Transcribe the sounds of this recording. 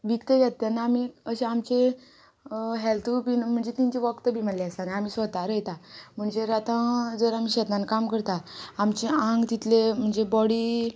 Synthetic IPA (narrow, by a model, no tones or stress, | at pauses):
ʋikt̪əɡat̪ːanːaːmiəɕeamt͡ɕe | ɦɛlt̪ʰupinm̤əɳd͡zet̪iɲt͡ɕeʋəkt̪əbʱiməleəsanaamiːsʋət̪aɾəjt̪am̤əɳd͡zeɾat̪ə̃d͡zəɾam̤iːɕɛt̪nãnkamkəɾt̪aamt͡ɕeãŋɡt̪it̪lem̤əɳd͡zebɔɽi